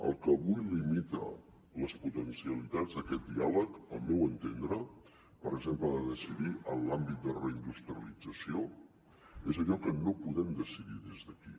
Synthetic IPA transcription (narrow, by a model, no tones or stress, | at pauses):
ə̰lˠkəβujlimit̪ə̰ | ləsput̪ənsiəlit̪ad͡zðəkɛt̪̚d̪ialəkə̰lˠmɛwənt̪end̪ɾə | pəɾəɡzempləðəðəsiðiʔənlambit̪̚d̪ərəind̪ust̪ɾiəlid͡zəsio | ezəʎɔkənopuðɛmd̪əsiðiðezðəki